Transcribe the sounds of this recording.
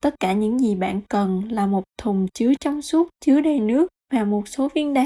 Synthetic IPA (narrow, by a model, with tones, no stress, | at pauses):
t̪ə˦˥t̚kaː˧˩ɲɨ̰˧˥ŋzi˨˩ɓa̰ː˧˨nkə˨˩nlaː˨˩mo˨˩t̚t̪ʰʊ˨˩ŋ͡mt͡ɕɨ˨˦ət͡ɕɔ˧wŋ͡msu˦˥t̚t͡ɕɨ˨˦əɗə˨˩jnɨ˦˥ək̚vaː˨˩mo˨˩t̚so˨˦vi˧ənɗaː˨˦